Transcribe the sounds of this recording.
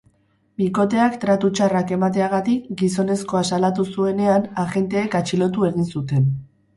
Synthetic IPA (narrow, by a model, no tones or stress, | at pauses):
biko̞t̪e̞akt̪ɾat̪ut͡ʃarake̞mat̪e̞aɣ̞at̪ikɡiso̞ne̞sko̞asalat̪usue̞ne̞anaxe̞nt̪e̞ːkat͡ʃilo̞t̪̬ue̞ɣ̞insut̪e̞n